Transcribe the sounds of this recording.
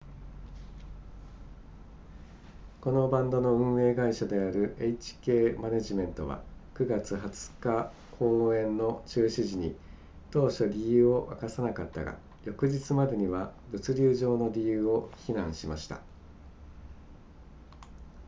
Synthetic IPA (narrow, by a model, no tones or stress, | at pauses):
ko̞no̞bãnd̪o̞no̞ɯ̟̃ɰ̃e̞ːɡaiɕad̪e̞aɾɯ̟ʔeit͡ɕi̥ke̞ːmaneʑimẽ̞nt̪o̞̰β̞a̰kɯ̟ɡat͡sɨhat͡sɨ̥ka | kʰo̞ːẽ̞nːo̞t͡ɕɨːɕiʑiɲ̟ḭ | t̪o̞ːɕo̞ɾʲijɯ̟ːo̞ʔakasanakat̪ːa̰ɡa̰ | jo̞kɯ̟ʑit͡sɨmad̪e̞ɲ̟iβ̞abɯ̟t͡sɨɾʲɨːʑo̞ːno̞ɾʲijɯːo̞çinãɰ̃ɕimaɕi̥t̪a̰